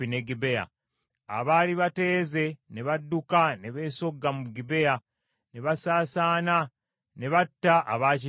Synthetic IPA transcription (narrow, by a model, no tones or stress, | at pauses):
ineɡibeja̰ | a̰βaːliβate̞ːze̞ne̞βadːukane̞βe̞ːso̞ɡːamuɡibe̞ja | ne̞βasaːsaːna | ne̞βatːaʔa̰βaːci